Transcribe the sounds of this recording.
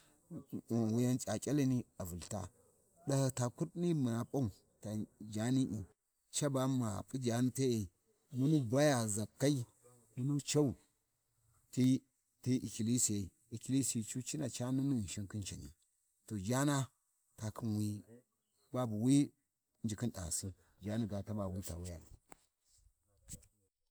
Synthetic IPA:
wu˦ja˦nt͡ʃʼa˨kʲʼa˦la˦ni˦a˨vu˨lta̰˦ | ɗa˦ha˨ta˨ku˦tni˦mə˨na˨pʼa˦u˨ | ta˨d͡ʒa˨˦ni˦ʔḭ˨ | t͡ʃa˦ba˦ma˨pʼu˦d͡ʒa˨ni˦ta˦e˨i˨ | mu˦nu˦bʷa˦ja˨za˨kːa˦i˦ | nu˦nu˦t͡ʃa˦u˨ | ti˦ | ti˦ʔḭ˨ki˨li˦si˨ja˨i˨ | i˨ki˨li˦si˨i˨t͡ʃu˦t͡ʃi˦na˨t͡ʃa˦nu˦nu˦˨ʃi˦ŋki˦nt͡ʃa˨nḭ˨ | to˨d͡ʒa˦na˦ | ta˨kʰi˦nwi˦ | ba˦bu˨wi˦ | nd͡ʒi˨ki˦nɗa̰˨su˦ | d͡ʒa˦ni˦ɡa˨ta˦ba˨wu˦ta˨wu˦ja˨l

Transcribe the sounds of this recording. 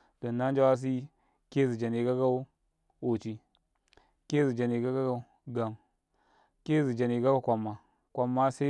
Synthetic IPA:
d̥o˨nːa˦n˦d͡ʒa˦wa˦s̬i˦ | ke˦zi˨d͡ʒa˨ni˨ɡa˦ɡa˦u˦ | o˨t͡ʃi˦ | ke˦zi˨d͡ʒa˨ni˨ɡa˦ɡa˦ɡa˦u˦ | ɡa˨ŋ | ke˦zi˨d͡ʒa˨ni˨ɡa˦ɡa˦kʷa˨mːa˨ | kʷa˨mːa˦sa˦

